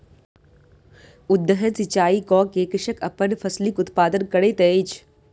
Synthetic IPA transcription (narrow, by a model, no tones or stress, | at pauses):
ʊd̪ːəɦənsɪt͡ʃaːikɔːkeːkɪʃəkɐpənfʰɐslikʊt̪paːd̪ənkɐɽet̪ɛːit͡ʃʰ